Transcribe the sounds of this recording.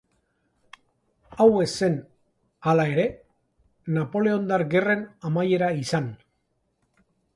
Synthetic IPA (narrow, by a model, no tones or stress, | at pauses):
awe̞se̞n | alae̞ɾe̞ | napo̞le̞o̞nd̪aɾɡe̞re̞namaje̞ɾaisan